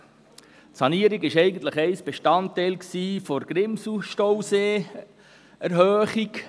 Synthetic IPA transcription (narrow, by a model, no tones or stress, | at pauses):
tsɑniːəɾiɡɪʃɛɪɡən̩t̪ləχɛɪsb̥eʃtɑntɛɪlksiːfoɾɡ̥ɾɪmsuʃtowseː | æɾɦøːχik